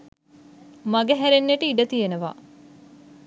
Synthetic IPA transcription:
maɡeɦæɾenːeʈəiɖət̪ijenəʋa̰

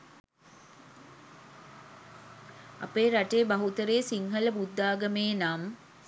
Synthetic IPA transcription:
a̰peːɾaʈejːbɐɦut̪əɾeːsiŋɦɐləbud̪ːaːɡəmeːnam

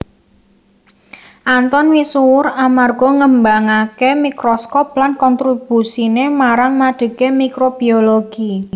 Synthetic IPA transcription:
ʔant̪ɔnwisuwʊɾamarɡ̥ɔ̤ŋəmbaŋakemikɾɔskɔp̚lankɔnt̪ɾib̥usinemaɾaŋnaɖ̥ə̤ɡ̥emikɾob̥ioloɡ̥i

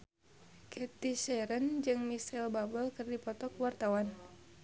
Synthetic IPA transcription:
kʰɛt̪iʃɛɾənd͡ʒɨŋmisɛlbabəlkɨrdipɔt̪ɔkwart̪awan

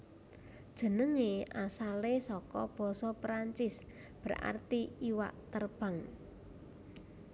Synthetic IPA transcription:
d̥ʒ̥ə̤nəŋeʔasalesɔkɔb̥ɔ̤sɔpɾaɲt͡ʃɪs | b̥əɾa̰rt̪iiwa̰ʔt̪ərb̥a̤ŋ

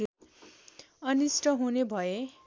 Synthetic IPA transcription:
ʌnisʈʌɦunebʱʌe

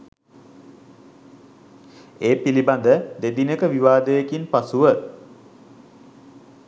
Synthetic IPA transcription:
eːpiliband̪əd̪ed̪inəkəʋiʋaːd̪əjekinpasuʋə

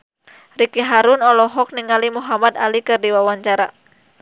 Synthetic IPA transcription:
rikiɦaɾunɔlɔɦɔk̚niŋalimuɦamad̪a̰likɨrdiwawaɲt͡ʃaɾa

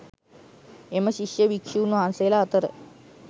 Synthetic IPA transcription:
emɐɕiɕjɐʋikʂuːnuɦanselaːt̪əɾə̰

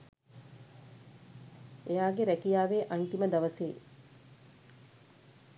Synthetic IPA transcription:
ejaːɡeɾækijaːʋeːʔant̪iməd̪aʋəseː

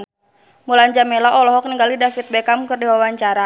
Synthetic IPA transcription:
mulaɲd͡ʒamelaʔɔlɔɦɔk̚niŋɡalidafit̪̚bɛkamkɨrdiwawaɲt͡ʃaɾa

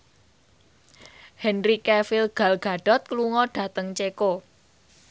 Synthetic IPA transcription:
hɛnrikɛfɪlɡ̥a̤lɡ̥a̤ɖ̥ɔ̤t̪̚kluŋɔɖ̥ä̤t̪əŋt͡ʃeko

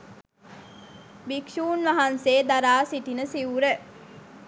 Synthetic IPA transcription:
bikʃuːnʋaɦanseːd̪aɾaːsiʈinəsiuɾə

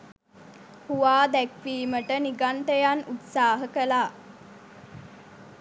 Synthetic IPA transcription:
huʋaːd̪ɛkʋiːməʈəniɡaɳʈejanut̪saːɦəkəlaː

